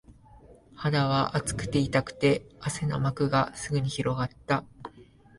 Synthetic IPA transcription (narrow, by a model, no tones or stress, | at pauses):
had̪aβaʔat͡sɨ̥kɯ̟̥t̪e̞it̪akɯ̟̥t̪e̞ase̞no̞̰makɯ̟ɡasɨɡɯ̟ɲ̟içiɾo̞ɡat̪ːa